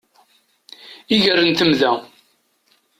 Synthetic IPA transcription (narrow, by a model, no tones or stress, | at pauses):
iʝərənt̪əmðæ